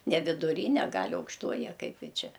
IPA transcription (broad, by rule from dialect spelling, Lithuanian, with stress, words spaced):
nʲɛ ʋʲɪdʊˈrʲiːnʲɛ ˈɡɐlʲ ɐʊkʃˈtoːjɪ ɐ ˈkɐɪp ˈjɪ ˈt͡ʃʲɛ